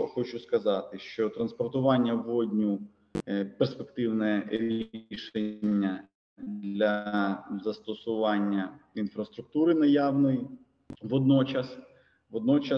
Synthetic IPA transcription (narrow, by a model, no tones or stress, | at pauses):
xɔt͡ʃʊskɐzɑt̪ɪʃt͡ʃɔt̪ɾɐnspɔrt̪ʊʋɑnʲːɐʋɔdʲnʲu | perspekt̪ɪwnɛɾʲiʃenʲːɐ | d̪lʲɐzɐst̪ɔsʊʋɑnʲːɐinfɾɐst̪ɾʊk̚t̪uɾɪnɐjawnɔji | ʋɔd̪nɔt͡ʃɐs | ʋɔd̪nɔt͡ʃɐ